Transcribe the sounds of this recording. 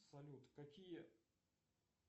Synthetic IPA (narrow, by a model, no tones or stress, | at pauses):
sɐlʲut̪kɐkʲijə